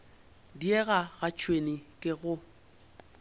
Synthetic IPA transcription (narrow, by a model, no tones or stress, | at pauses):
diɛɣaɣat͡ʃʰʼwenikʼɪɣʊ